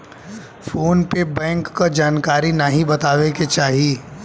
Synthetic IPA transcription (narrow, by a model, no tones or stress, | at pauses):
foːnpebɛ̃ːŋkːad͡ʒaːnkaːɾinɐɦĩbɐt̪aːʋeket͡ʃaːɦie